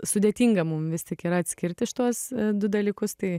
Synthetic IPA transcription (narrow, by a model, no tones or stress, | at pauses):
sʊd̪ʲeɛt̪ʲiːŋɡɐmʊmʋʲɪstʲiɛkiːɾɐɐt̪ʲsʲkʲɪrʲt̪ʲɪʃt̪uɔsd̪ʊd̪ɐlʲiːkʊst̪ɐɪ